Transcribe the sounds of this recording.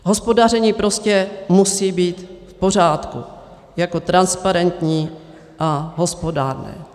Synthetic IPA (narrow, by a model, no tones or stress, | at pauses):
ɦo̞spo̞darɛɲiːpɾo̞scɛmusiːbiːt̪fpo̞r̝aːt̪kṵ | jako̞t̪ɾanspaɾɛnt̪ɲiː | ʔaɦo̞spo̞daːɾnɛ̰ː